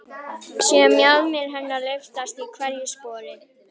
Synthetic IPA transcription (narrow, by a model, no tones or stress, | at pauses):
siamjalmɪɾɦɛnːalœft̪ast̪ikʰvɛɾjispɔːɾɪ